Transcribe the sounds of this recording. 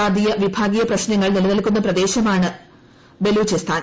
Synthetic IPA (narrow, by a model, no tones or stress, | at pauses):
aːd̪ijɐʋibʱaːɡijɐprɐɕnɐŋːɐɭnilɐnɐlkːunːɐprɐd̪e̞ːɕɐmaːɳɨ | be̞luːt͡ɕist̪ʰaːn